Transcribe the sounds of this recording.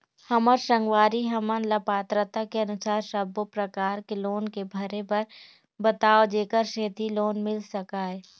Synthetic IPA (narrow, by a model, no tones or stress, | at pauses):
hɐməɾʃə̃ŋɡwaːɾiɦɐmənlɐpaːt̪ɾət̪akeɐnʊsaːɾsəbopɾəkaːɾkeloːnkebʱɐɾepɐɾ | bət̪aːod͡ʒeːkəɾʃeːt̪iloːnmɪlsɐkaːɦɛː